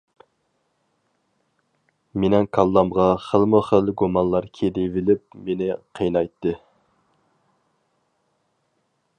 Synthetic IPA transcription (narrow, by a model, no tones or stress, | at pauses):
menɛŋkʰɑlˠːɑmʁɑχəlˠmʊχəlˠɡumɑnlˠɑɾkʲʰed̪ɪvɪlɪp̚menɪqʰəjnɑjt̪ːɨ